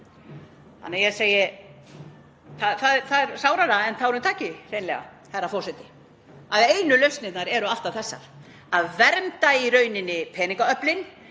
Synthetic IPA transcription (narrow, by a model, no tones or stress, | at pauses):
ha̰nːɛjɛseːjɪ | θaðθaðɛθaðɛɾsaːwɾaɾaɛnθaɾʏmt̪ʰaːcɪɾeːjnlɛ̰ɣa̰ | hɛɾːafɔwsɛt̪ɪ | aðeːjnʏlœɥst̪nɪt̪naɾɛɾʏaft̪aθɛsːa̰ɾ̥ | aðvɛɾmt̪aiɾœːɥnɪnːɪpʰɛːnĩŋkaœplɪn